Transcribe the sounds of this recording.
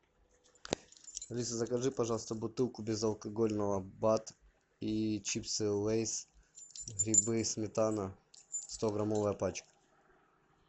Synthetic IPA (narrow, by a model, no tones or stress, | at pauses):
lʲisɐzɐkɐʐɨpɐʐɑlˠst̪əbʊt̪ɨlˠkʊbʲɪzɐlˠkɐɡolʲnəʋɐbat̪ | it͡ɕipt̪sɨlˠɛjs | ɣɾʲɪbɨsmʲɪt̪anɐst̪oɡɾamovəjəpat͡ɕkɐ̥